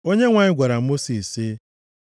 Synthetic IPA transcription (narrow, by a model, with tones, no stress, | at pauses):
o˦ɲe˦ŋʷa˨ɲɪ˦ɡʷa˨ɾa˨mo˦si˨sɪ˦